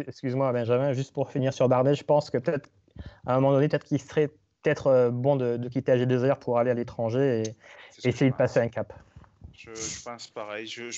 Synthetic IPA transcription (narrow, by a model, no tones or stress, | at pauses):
ɛkskʲyzmwabɛ̃ʒamɛ̃ʒyst̪̚puʁfiniʁsyʁbaʁnɛʒəpɑ̃skəpət̪ɛt̪χ | ɛ̃mɔmɑ̃d̪ɔnepøt̪ɛt̪kilsəʁɛpət̪ɛt̪χbɔ̃d̪əd̪ək̬ʲit̪ealed̪øzœʁpʰuʁalealet̪χɑ̃ʒeeː | sejed̪əpaseɛ̃kap | ʒ̃paʁɛjʒ